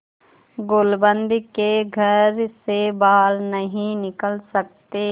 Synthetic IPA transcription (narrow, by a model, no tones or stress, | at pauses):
ɡolbə̃nd̪ʱkeɡʱɐɾsebaːlnəɦĩnɪkəlsɐk̚t̪e